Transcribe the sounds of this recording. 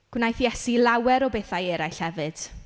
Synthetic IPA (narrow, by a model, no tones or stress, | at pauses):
ɡ̥wnajθjɛsilˠawɛɾɔbeːθajeɾajɬhɛvɨd̥